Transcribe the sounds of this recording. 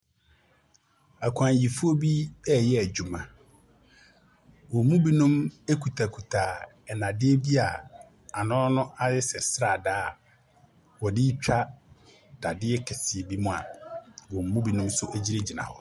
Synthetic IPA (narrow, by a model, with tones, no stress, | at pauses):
a˨kʰʷã˨n˨ji˨fu˦o˦bi˦ɛ˦jɛ˦æ˨d͡ʑᶣu˨mã˨ | wɔ˨˦mũ˦bi˦nʊ̃˦me˦kʰu˨tʰa˨kʰu˨tʰa˨ | ɛ˨nã˨dɪ˦e˦bi˦a˨ | a˨nɔ̃ː˦nʊ̃˦ʔa˦jɪ˦sɛ˨sɾa˨daː˦ | wɔ˨dɪ˦t͡ɕᶣa˦ | d̥a˨dɪ˦ɛ˦kʰɛ˨sɪ˨e˨bi˦mʊ̃˦a̰˨wɔ˨m˨mũ˦bi˨nʊ̃˦msʊ˦ʔæ˨d͡ʑi˦ɾe˦d͡ʑi˨nã̰˨hɔ˦